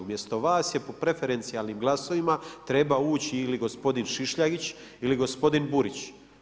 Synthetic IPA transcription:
umje̞st̪o̞ʋaːsje̞po̞pɾe̞fe̞ɾe̞nt̪sialˠnimɡlˠaso̞ʋimat̪ɾe̞bauːt͡ɕiːliɡo̞spo̞d̪inʃiʃʎaɡit͡ɕ | iliɡo̞spo̞d̪inbuɾit͡ɕ

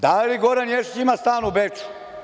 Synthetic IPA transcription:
d̪aliɡoɾanjeʃit͡ɕimast̪aːnubet͡ʃu̥

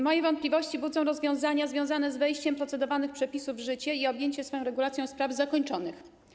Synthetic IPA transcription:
mɔjɛvɔnt̪̚plʲivɔɕt͡ɕibud̪zɔw̃ɾɔzvʲjɔ̃w̃zaɲazvʲjɔ̃w̃zanɛzvɛjɕt͡ɕɛmpɾɔt̪sɛd̪ɔvanɘxpʂɛpʲisuvʐɘt͡ɕɛiɔbʲjeɲt͡ɕɛsfɔjɔ̃w̃ɾɛɡulat̪sʲjɔ̃w̃spɾavzakɔɲt͡ʂɔnɘx

